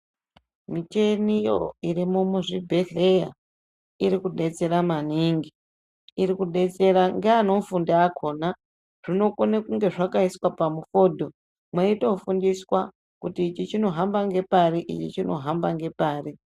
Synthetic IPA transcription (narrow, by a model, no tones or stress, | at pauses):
mit͡ʃenijo̰irimumuʐibʱeɬreja | iɾikuɗe̞t͡se̞ɾamaniŋɡi | iɾikuɗe̞t͡se̞ɾaŋɡeano̞mfundaakʰo̞ːna | ʐ̥ino̞konekuŋɡe̞ʐakaiswapamufo̞ːdʱo̞ | mwaito̞fundiswa | kutiːt͡ʃit͡ʃino̞ɦambaŋɡe̞paɾiʔḭt͡ʃḭt͡ʃino̞̰ɦambaŋɡe̞paːri